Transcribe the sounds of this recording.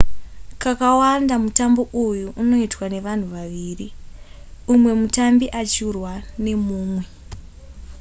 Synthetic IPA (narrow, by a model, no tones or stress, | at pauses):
kakawandamutambo̞ʔujuʔːno̞itwane̞ʋan̤uʋaʋiːri | umwe̞mutambiʔat͡ʃurwane̞muːmwe̞